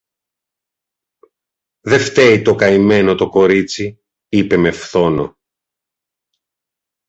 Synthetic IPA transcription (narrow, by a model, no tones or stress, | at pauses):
ðe̞ft̪e̞it̪o̞kɐime̞no̞t̪o̞ko̞ɾit͡si | ipe̞me̞fθo̞no̞̰